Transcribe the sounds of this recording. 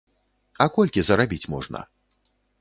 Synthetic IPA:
akɔlʲkʲizɐɾabʲit͡sʲmɔʐnɐ̰

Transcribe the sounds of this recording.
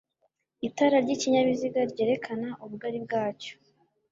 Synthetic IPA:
itaɾaɾɟiciɲaβiziɡaɾɟe̞ːɾe̞kʰanaʔuβuɡaɾib̚ɡaːco̥

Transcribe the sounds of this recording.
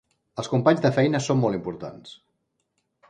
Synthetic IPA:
əlˠskumpaɲzðəfɛjnəsomːɔlˠimpuɾt̪a̰ns

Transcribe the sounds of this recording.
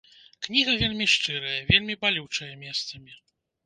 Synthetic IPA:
knʲiɣɐvʲelʲmʲiʂt͡ʂɨɾɐjɐvʲelʲmʲibalʲiwt͡ʂɐjɐmʲɛst̪sɐmʲi

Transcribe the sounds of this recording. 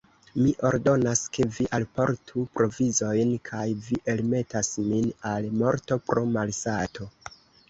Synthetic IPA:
miʔo̞ɾdo̞naske̞viʔalpo̞̰ɾtʰupɾo̞vizo̞jnkʰajviʔe̞lme̞tasminalmo̞ɾto̞pɾo̞malsatʰo̞

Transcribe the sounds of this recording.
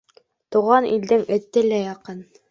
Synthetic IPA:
t̪uʁɑnild̪ɘŋɘ̆t̪ːɘlæjɑqɤn

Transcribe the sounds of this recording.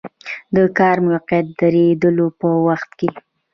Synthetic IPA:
d̪əkɑɾmʊwaqjat̪̚d̪aɾed̪əlopəwaxt̪ke

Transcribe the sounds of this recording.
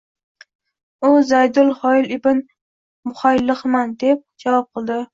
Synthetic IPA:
ʊzajd̪ʊlˠhɒɪlɪbɪn | mʊχajlːɨχmand̪e̞p̚d͡ʒavɒp̚qʰɨlˠd̪ɪ

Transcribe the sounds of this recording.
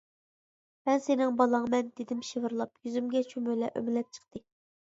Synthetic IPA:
mɛnsenɪŋbɑlˠɑŋmɛnd̪ed̪ɪmʃivɨɾlˠɑpjyzymɡʲɛt͡ʃʰømølɛ̰ʔø̰mɪlɛp̚t͡ʃʰə̥qt̪ɨ

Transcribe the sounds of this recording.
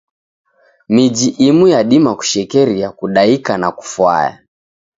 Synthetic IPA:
mid͡ʒiʔimujaɗimaku̥ʃɛkɛɾiakuɗaikanaku̥fwa̰ja̰

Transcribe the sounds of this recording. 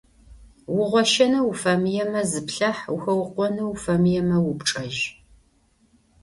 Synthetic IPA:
wʊʁʷɔʃɐnɐwufɐmɨjɛmɐzɨpɬɐħʊxɐwqʷɔnɐwfɐmɨjɛmɐwʊpʈ͡ʂʼɐʒ

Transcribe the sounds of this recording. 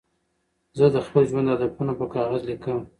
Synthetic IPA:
zəd̪əxpəlʒwand̪ad̪apunapəkɑɣazlikəm

